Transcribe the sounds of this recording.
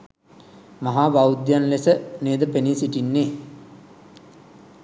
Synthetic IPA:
maɦaːbawud̪janlesəneːd̪əpenisiʈinːeː

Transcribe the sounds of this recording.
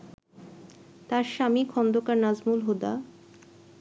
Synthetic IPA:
t̪aɾʃamikʰɔnd̪okaɾnazmulɦod̪a̰

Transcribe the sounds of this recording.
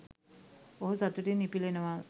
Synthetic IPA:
oɦusat̪uʈinːipilenəʋa

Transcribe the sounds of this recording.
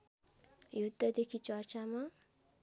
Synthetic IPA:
jud̪ːəd̪ekʰit͡ʃaɾt͡ʃama

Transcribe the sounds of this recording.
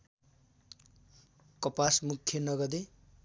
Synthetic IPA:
kʌpasmukʰːjʌnʌɡʌd̪e

